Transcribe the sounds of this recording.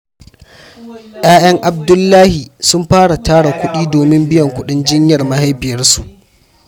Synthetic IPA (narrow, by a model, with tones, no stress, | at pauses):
ʔj̰aː˦j̰ɐ˦ŋʔa˨b̚dʊ˦lːaː˦hi˨sʊ˦mɸaː˦ɽa˨taː˦ɽa˨kʷʊ˦ɗiː˦doː˨mɪ˦mbɪ˦jɐ˨ŋkʷʊ˦ɗɪ˦nd͡ʒɪ˦ɲjɐ˨rma˦ha˦jbɪ˨jɐ˦rsu˨ʔ